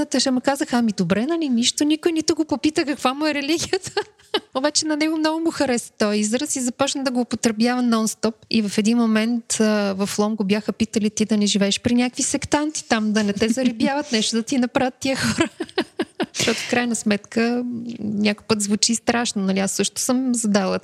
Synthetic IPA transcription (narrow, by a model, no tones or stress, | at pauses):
t̪əʃɐmukazəxamid̪obɾɛnɐliniʃt̪onikʊjnit̪ʊɡopopit̪əkɐkvamʊɛɾɛliɡʲijət̪ə | obat͡ʃɛnɐnɛɡomnɔɡʊmʊxɐɾɛst̪ɔjizɾəsizɐpɔt͡ʃnəd̪ɐɡoːpot̪ɾɛbjavɐnɔnst̪ɔp̚ḭvɐfɛd̪inmomɛnt̪vɐflˠɔmɡobjaxəpit̪əlit̪id̪ɐnɛʒivɛːʃpɾinʲjakvisɛkt̪ant̪i̥t̪amd̪ɐnɛt̪ɛzɐɾɛbjavət̪nɛʃt̪od̪ɐt̪inɐpɾavət̪ːiəxɔɾə | t̪ɔt̪ʊ̥fkɾajnəsmɛt̪kə | nʲakojpɤt̪zvut͡ʃist̪ɾaʃnonɐlʲiasːɤʃt̪ʊ̥sɤmzɐd̪alˠə